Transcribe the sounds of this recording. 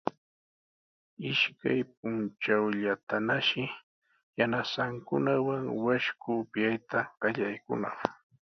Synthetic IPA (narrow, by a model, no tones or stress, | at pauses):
ɪʃkajp̚ʊnt͡ʃawʎat̪anaʃɪ | janasaŋkʊnawaŋwaʃkʊpjajt̪aɢɑʎajkʊ̰naχ